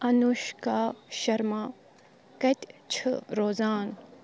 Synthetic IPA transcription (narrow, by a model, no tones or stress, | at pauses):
ɐnuʃkaʃɐɾmaː | kɐt̪ʲt͡ʃʰɾoːzaːn